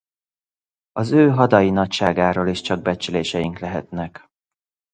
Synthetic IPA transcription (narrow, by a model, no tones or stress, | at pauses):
ɒzøːɦɒd̪ɒjinɒcʃaːɡaːɾoːleʃt͡ʃɒɡ̚bɛt͡ʃyleːʃɛjiŋklɛɦɛ̰t̪nɛk